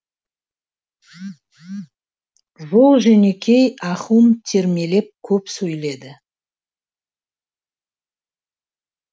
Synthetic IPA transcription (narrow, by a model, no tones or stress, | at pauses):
ʒolˠʒʏnekʲʰe̞jɑχumt̪ʰe̞ɾme̞le̞p̚kʲʰɵpsɵjle̞d̪ɪ